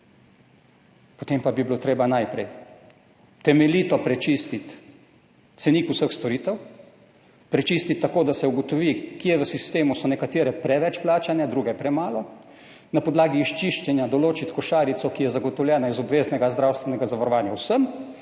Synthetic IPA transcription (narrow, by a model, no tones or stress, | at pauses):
pot̪empabibilot̪ɾeːbanajpɾɛ̰j | t̪ɛmɛliːt̪ɔpɾɛt͡ʃist̪it̪ | t̪sɛniːkusəxst̪ɔɾiːt̪ɛw | pɾɛt͡ʃiːst̪it̪ːakoːd̪asɛuɡɔt̪ɔʋiːkjɛʋəsist̪eːmusɔnɛkat̪iːɾɛpɾɛʋɛt͡ʃplaːt͡ʃanjad̪ɾuːɡɛpɾɛmaːlɔ | napɔd̪laːɡiːʃt͡ʃiʃt͡ʃɛnjad̪ɔloːt͡ʃit̪kɔʃaːɾit̪sɔkijɛzaɡɔt̪ɔwljɛːnaizɔbʋeːznɛɡazd̪ɾawst̪ʋɛnɛɡazaʋaɾɔʋaːnjawsəm